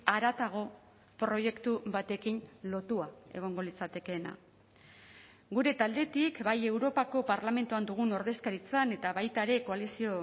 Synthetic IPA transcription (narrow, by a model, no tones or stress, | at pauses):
aɾat̪aɣ̞o̞ | pɾo̞je̞kt̪uβat̪e̞kinlo̞t̪uae̞̰ɣ̞o̞ŋɡo̞lit͡sat̪e̞ke̞na̰ | ɡuɾe̞t̪ald̪e̞t̪ikbaje̞wɾo̞pako̞paɾlame̞nt̪uand̪uɣ̞uno̞ɾðe̞skaɾit͡sane̞t̪aβajt̪aɾe̞ko̞alisio̞